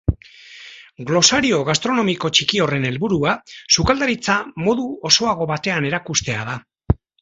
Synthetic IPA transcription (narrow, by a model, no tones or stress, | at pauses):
ɡlo̞saɾio̞ɣast̪ɾo̞no̞miko̞t͡ʃikio̞re̞ne̞lβuɾuasukald̪aɾit͡samo̞ðuo̞so̞aɣ̞o̞βat̪e̞ane̞ɾakust̪e̞að̞a